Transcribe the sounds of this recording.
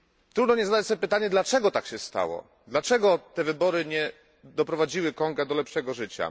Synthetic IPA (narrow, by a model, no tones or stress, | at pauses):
t̪ɾud̪nɔɲɛzad̪at͡ɕsɔbʲjepɘt̪aɲɛd̪lat͡ʂɛɡɔt̪akɕɛst̪a̰wɔ̰ | d̪lat͡ʂɛɡɔt̪ɛvɘbɔɾɘɲɛ | d̪ɔpɾɔvad͡ʑiwɘkɔŋɡɛd̪ɔlɛpʂɛɡɔʐɘt͡ɕa̰